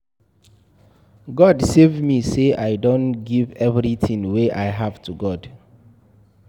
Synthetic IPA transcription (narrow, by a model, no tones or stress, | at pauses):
ɡɔdsevmiseʔaɪdõnɡivɛvɹiθʰĩŋweʔaɪɦav̥tʰuɡɔd